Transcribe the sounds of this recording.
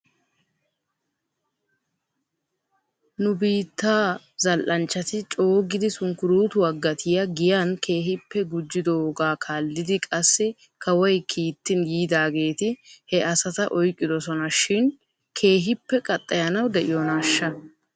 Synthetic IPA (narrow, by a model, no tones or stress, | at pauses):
nʊbiːt̪ːaː | zɐlʔɐnt͡ʃːɐt̪ɪt͡ʃʼo̞ːɡɪd̪ɪsʊŋkʊɾuːt̪ʊwɐɡːɐt̪ʰɪjɐɡɪjankʰe̞ːɦɪpːɛɡʊd͡ʒːɪd̪oɡaːkʰaːlːɪd̪ɪkʼɐsːɪ | kɐwɔjkʰiːt̪ːɪnjiːd̪aːɡe̞ːt̪ɪhɛʔɐsɐt̪ɐʔɔjkʼːɪd̪ɔsɔnɐʃɪn | kʰe̞ːɦɪpːɛkʼɐt̪ʼːɐjɐnɐwd̪ɛʔɪjɔnaːʃːɐ